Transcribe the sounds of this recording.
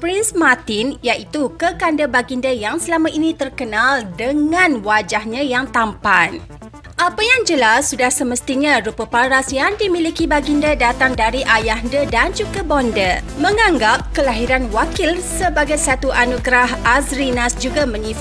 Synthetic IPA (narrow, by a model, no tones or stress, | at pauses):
pɾinsmat̪ɪnjaʔit̪ukəkandəbaɡindəjaŋsəlamãʔinit̪ərkənaldəŋãnwad͡ʒahɲãjaŋt̪ampan | ʔapajaŋd͡ʒəlasːudahsəməst̪iɲãɾupəpaɾasjaŋdimilikibaɡindədat̪aŋdaɾiʔajaɦdədand͡ʒuɡabɔndə | mə̃ŋãŋɡap̚kəlaɦiɾanwakilsəbaɡajsat̪uʔanuɡɾaɦazɾinasd͡ʒuɡamə̃ɲĩf